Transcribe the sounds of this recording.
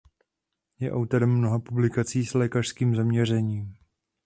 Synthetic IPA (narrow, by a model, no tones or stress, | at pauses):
jɛʔawt̪oɾɛmːnoɦapublɪkat͡siːslɛːkaʃskiːmzamɲɛr̝ɛɲiːm